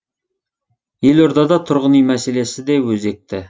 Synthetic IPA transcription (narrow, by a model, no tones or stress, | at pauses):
jeloɾd̪ɑd̪ɑt̪ʰʊɾʁənijmæse̞lesɪd̪ewɵzek̚t̪ɪ